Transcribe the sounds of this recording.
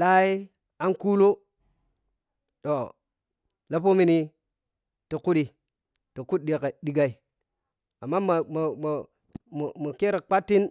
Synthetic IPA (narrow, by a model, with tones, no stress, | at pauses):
la˦i˦ | a˦nku˦lo˦ | to˨ | la˦p̬o˦mi˨˦ni˦ | to˨ku˦ɗi˨ | to˨ku˦t̚ɗi˨ke˨ɗi˨ɡa˨i˨ | a˨mːa˦ma˨m˨m˨ | mo˨mo˨ke˦ɾe˨k͡pa˦tːi˦n